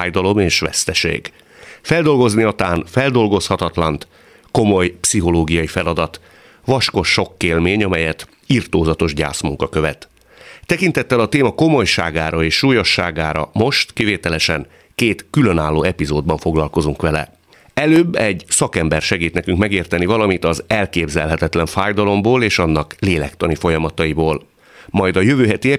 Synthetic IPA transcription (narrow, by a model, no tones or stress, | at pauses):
jd̪ɒlo̞meːʃʋɛ̰st̪ɛʃḛːɡ | fɛld̪o̞lɡo̞zniɒt̪aːnfɛld̪o̞lɡo̞shɒt̪ɒt̪lɒnt̪ | ko̞mo̞jpsiɦo̞loːɡijɒjifɛlɒd̪ɒt̪ | ʋɒʃko̞ʃːo̞kːeːlmeːɲɒmɛjɛt̪ | irt̪oːzɒt̪o̞ʒɟa̰ːsmuŋkɒkøvɛt̪ | t̪ːɛkint̪ɛt̪ːɛlɒt̪eːmɒko̞mo̞jʃaːɡaːɾɒeːʃːuːjoʃːa̰ːɡaːɾɒ̰mo̞ʃt̪kiveːt̪ɛlɛʃɛŋ | keːt̪kylø̞naːlːoːɛpizoːd̪̚bɒɱfo̞ɡlɒlko̞zuŋkʋɛlɛ̰ | ɛløːbːɛɟsɒkɛmbɛrʃɛɡiːt̪nɛkyŋkmɛɡeːrt̪ɛnivɒlɒmit̪ɒzɛlkeːbzɛlɦɛt̪ɛt̪lɛɱfaːjd̪ɒlo̞mboːleːʃɒnːɒkleːlɛ̰kt̪ɒnifo̞jɒmɒt̪ɒiboːl | mɒjd̪ɒjøvøːɦɛt̪iɛ